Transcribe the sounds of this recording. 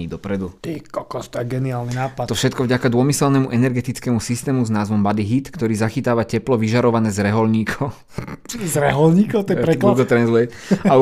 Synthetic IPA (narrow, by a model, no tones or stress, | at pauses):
iːd̪ɔpɾɛd̪ut̪iːkɔkɔst̪ɔaɡɛniaːlninaːpaɔfʃɛt̪̚kɔvɟakad̪ʊɔmisɛlnɛmuʔɛnɛɾɡɛt̪it͡skɛmusist̪ɛːmuznaːzʋɔmbad̪iɦit̪kt̪ɔɾiːzaxit̪aːʋacɛplɔʋiʒaɾɔʋanɛːzɾɛɦɔlɲiːkʰɔʊ | t͡ʃzɾɛɦɔlɲiːkɔt̪ɔjɛɾɛlauɡɔt̪ɾɛnzlɛa